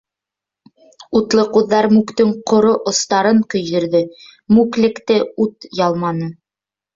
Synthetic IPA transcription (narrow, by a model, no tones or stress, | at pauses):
ut̪lˠɤquðːɑɾmʉkt̪ɵŋqŏɾoʔŏst̪ɑɾɤɴkɵ̆jðɘ̆ɾðɘmʉklɘ̆kt̪ɘut̪jɑlˠmɑnɤ